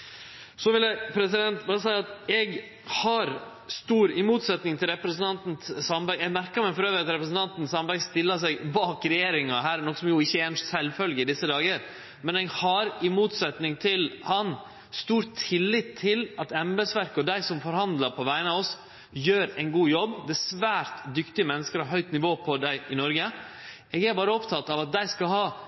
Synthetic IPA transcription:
sɔʋɪləpʰɾɛsɪd̪ɛnt̪bɑːɾəsæɪɑt̪ɛɡ | hɑɾ | st̪uːɾɪmuːt̪sɛt̪nɪŋt̪ʰɪlɾɛpɾəsn̩ɑnt̪n̩tsɑmbæɪɛɡmæɾkəɾmɛfɔɾøːʋəɾɑt̪ɾɛpɾəsn̩t̪ɑnt̪n̩sɑmbæɪst̪ɪlːəsɛɡbɑːkɾɛjeːɾɪŋɑɦæːɾnɔkːsɔmjʊɪçːəɛnsɛlfœlɡəɪd̪ɪsːəd̪ɑːɡəɾ | mɛnɛɡhɑɾɪmuːt̪sɛt̪nɪŋt̪ʰɪlhɑn | st̪uːɾt̪ʰːɪlːɪt̪ʰːɪlɑt̪ɛmbɛsʋæɾkɔd̪æɪsɔmfɔɾhɑnd̪lɑpʰɔʋæɪənəɑʋɔs | jøːɾæɪnɡuːjɔbːd̪ɛsʋæːɾt̪d̪ʏkt̪ɪəmɛnːəskəɾhɑɦœʏt̪nɪʋoːpʰɔd̪æɪʔɪnɔɾɡə | ɛɡæɾbɑːɾəɔpt̪ʰɑt̪ːɑʋɑt̪̚d̪æɪskɑlhɑː

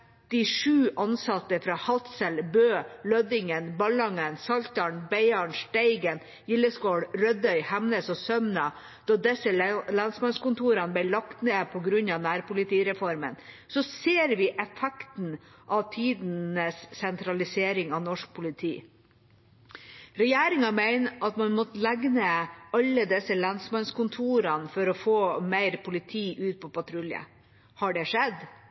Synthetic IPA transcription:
d̪̥ɪʂʉːʔɑnsɑt̪ːəfɾɑhɑt̪səlbøːlœd̪ɪŋənbɑlɑŋənsɑlt̪ɑɳbæɪɑɳʂʈæɪɡən | jɪlːəskoːɽɾœd̪œʏhɛmnəsɔsœmnɑ | d̪̥ɑd̪ɛsəlɑnsmɑnskʊnt̪ʰuːɾɑnəb̪æɪlɑkt̪neːpʰɔɡɾʉɲɑʋnæːɾpʊlɪt̪iːɾɛfɔɾmə̰n | sɔseːɾʋɪʔɛfɛkt̪n̩ʔɑʋt̪ʰiːd̪nəssːɛnt̪ɾɑlɪseːɾɪŋɑʋnɔʂk̚pʰʊlɪt̪ʰḭː | ɾɛjeːɾɪŋɑmæɪnʔɑt̪mɑnmɔt̪læɡnəɑlːəd̪ɛsəlɑnsmɑnskʊnt̪ʰuːɾɑnfɔɾɔfoːmæɪɾpʰʊlɪt̪ʰiːʔʉːt̪̚pʰɔpɑt̪ʰɾʉljə̰ | hɑɖɛʂɛd̪

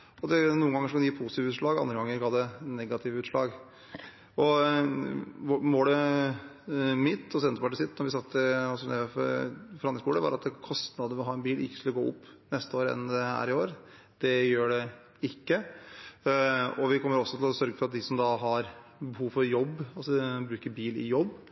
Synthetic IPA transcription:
ɔd̪ɛnuːəŋɡɑŋːəʂkɑnd̪jiːpʰʊsɪt̪ɪʋʉːʂɭɑːɡɑnd̪ɾəɡɑŋːəɾɡɑld̪ɛnɛɡɑt̪ʰɪʋəʉːt̪ʂlɑ̰ːɡ | ɔ | moːɖ̪ɛ | mɪt̪ːɔs̬ɛnt̪əpɑʈisɪt̪ːnɔɾʋɪsɑt̪ːəɑs̬ɔnɛffɔɾɑnɪskuːləʋɑ̰ɾɑt̪kʰɔst̪nɑd̪əəʋɪlɦɑːɛnbiːlɪ̰kːəskʉləɡoːʊ̰pːnɛst̪əoːɾɛ̰nd̪ɛhæ̰ːɾɪoːɾ | d̪̥ɛjøːɖɛ | ɪkːə | ɔʋɪkʰɔmːəɾɔsːɔt̪ʰɪlɔsœɾɡəfɔɾɑt̪̚d̪ɪsɔmd̪ɑɦɑɾbəhuːʋfɔɾjɔbːɑlsɔbɾʉːkəɾbiːlɪ̰jɔbː

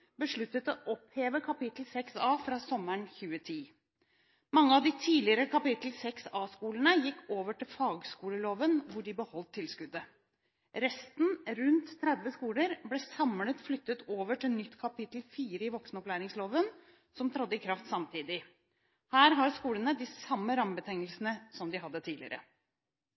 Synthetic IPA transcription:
bəʂɭʉt̪ːət̪ɔʔɔpheːʋəkʰɑpɪt̪l̩sɛksɑːfɾɑːsɔmːəɳçʉːət̪ʰiː | mɑŋːəɑʋd̪ɪt̪ʰiːlɪəɾəkʰɑpɪt̪l̩sɛksɑːskuːlənəjɪkːoːʋəʈʰɪlfɑːɡskuːləloːʋənʋʊɖɪbəhɔlt̪ʰːɪlskʉd̪ə | ɾɛst̪nɾʉnt̪ʰːɾɛd̪ʋəskuːləɾblɛsɑmlət̪flʏt̪ːət̪oːʋəʈʰɪlnʏt̪ːkʰɑpɪt̪l̩fiːɾəɪʋɔksnɔplæːɾɪŋsloːʋən | sɔmt̪ʰɾɑd̪ːəɪkʰɾɑft̪sɑmt̪ʰiːd̪ɪ | hæːɾɦɑɾskuːlənəd̪ɪsɑmːəɾɑmbət̪ʰɛŋəlsnəsɔmd̪ɪɦɑd̪ːət̪ʰiːlɪ̰əɾə̰

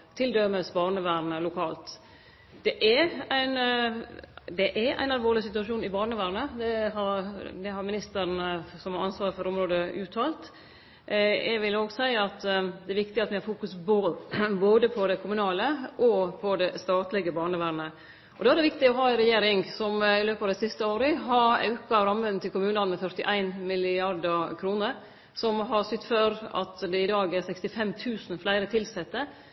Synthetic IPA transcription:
t̪ʰɪld̪œməsbɑːɳəʋæːɾnəlʊkʰɑːlt̪ | d̪̥ɛʔææɪn | d̪ɛʔæʔæ̰ɪnɑlʋoːɾɭɪsɪt̪ʉɑʂuːnɪbɑːɳəʋæːɾnəd̪ɛɦɑɾd̪ɛhɑɾmɪnɪst̪əɾnsɔmhɑɾɑnsʋɑːɾəfɔɾɔmɾoːd̪əʔʉːt̪ʰɑːlt̪ | jæɪʋɪloːɡsæɪəɑt̪ːd̪ɛɛɾʋɪkt̪ɪɑt̪ʋɪhɑɾfuːkʉsboboːd̪əpʰɔd̪ɛkʰʊmʉnɑːləʔɔpʰɔd̪ɛst̪ɑːt̪lɪɡəbɑːɳəʋæːɾɳə | ʔɔd̪ɛæɾɖ̪ɛʋɪkt̪ɪɔɦɑːɪɾɛjeːɾɪŋsɔmɪløːpɑʋd̪ɛsɪst̪əoːɾəɦɑɑ̰ʉkkɑʋɾɑmʋənt̪ʰːɪlkʰʊmʉːnɑnmɛfœɾʈ̪ɪʔæɪnmɪlɪɑɾd̪əkʰɾuːnəɾ | sɔmɦɑɾsʏt̪ːføːɾɑ̰t̪d̪ɛɪd̪ɑːɡæɾsɛkst̪ɪfɛmt̪ʰʉːsn̩flæɪɾət̪ʰɪlsɛt̪ːə

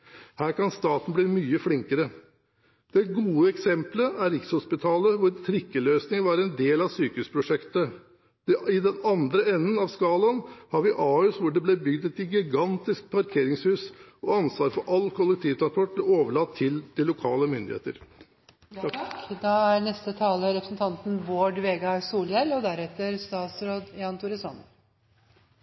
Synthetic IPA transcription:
hæːɾkɑnst̪ɑːt̪n̩bliːmyːəflɪŋkəɾə | d̪̥ɛɡuːəɛksɛmpləʔæɾɪkshʊspɪt̪ʰɑːləʋʊɾt̪ʰɾɪkːəløːsnɪŋʋɑːɾəɛnd̪eːlɑʋsyːkəʉːspʰɾʊʂɛkt̪ə | d̪̥ɛɪd̪ɛnɑnd̪ɾəɛnːənɑʋskɑːlɑnhɑɾʋɪʔɑːʉːsʋʊɖɛblɛbʏɡd̪ɛt̪ɪɡɪɡɑnt̪ɪskpʰɑɾkʰeːɾɪŋshʉːsɔɑnsʋɑːɾfɔɾʔɑlːkʰʊlːɛk̚t̪ʰiːʋt̪ɾɑnspʰɔʈ̚blɛoːʋəɭɑt̪ʰːɪld̪̥ɪlʊkʰɑ̰ːləmʏnd̪ɪ̰hḛːt̪ə̰ɾ | d̪ɑæɾnɛst̪ət̪ʰɑːləɾɛpɾə̥sn̩t̪ʰɑnt̪n̩ʋoːɖʋeːɡɑsuːljɛlɔd̪æɾɛt̪ːəɾst̪ɑːt̪sɾoːd̪jɑːnt̪ʰʊɾɪsɔn

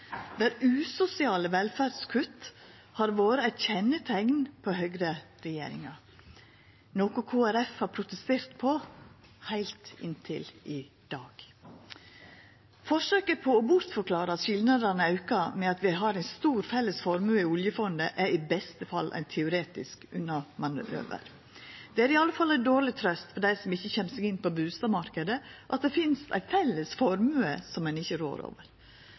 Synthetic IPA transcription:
ʋæːɾʉːsʊsɪɑːləʋɛlfæɾskʰʉt̪ː | hɑɾʋoːɾəæçɛnːət̪ʰɛŋnpʰɔɦœɡɾə | ɾɛjḛːɾɪ̰ŋɑɾ | noːkʊkʰoːæɾɛfhɑɾpʰɾʊt̪əst̪eːɾt̪pʰɔ | hæɪlt̪ɪ̰nt̪ʰɪ̰lʔɪ | d̪̥ɑːɡ̥ | fɔʂøːkəpʰɔɔbʊɾt̪fɔɾkʰlɑːɾəɑt̪ʃɪlnɑd̪ənəɑʉkɑmɛɑt̪ʋɪɦɑɾæɪnst̪uːɾfɛlːəsfɔɾmʉːəɪʊljəfɔnd̪əʔæɾɪbɛst̪əfɑlːʔæ̰ɪnt̪ʰɛʊɾeːt̪ɪskʉnːɑmɑnø̰ːʋə̰ɾ | d̪̥ɛæɾɪɑlːəfɑlɛɪd̪oːɭɪt̪ʰɾœst̪fɔɖæɪsɔmɪçːəçɛnsɛɡɪnːpɔbʉːst̪ɑmɑɾkəd̪əʔɑt̪̚d̪ɛfɪnst̪æ̰ɪfɛlːəsfɔɾmʉːəsɔmːɛnɪçəɾo̰ːɾo̰ːʋəɾ

